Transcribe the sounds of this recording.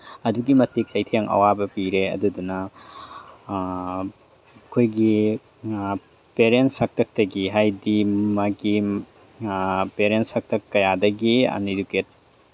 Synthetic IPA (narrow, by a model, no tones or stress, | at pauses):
ɐduɡimɐtik̚sajtʰeŋʔɐ̰wabɐpiɾeɐ̰dudunɐ | kʰojɡi | peɾensɐk̚tʰɐk̚tɐɡiɦajdimaɡi | peɾentsɐk̚tʰɐkːɐjadɐɡia̰niduket̚